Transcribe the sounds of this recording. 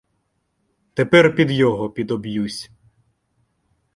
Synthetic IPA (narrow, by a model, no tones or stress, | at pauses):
t̪epɛrpʲid̪jɔɦɔpʲid̪ɔbjusʲ